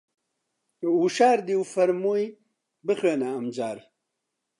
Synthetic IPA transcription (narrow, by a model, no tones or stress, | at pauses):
uʃaːɾd̪iwfɐɾmuj | bəxenaːmd͡ʑaːɾ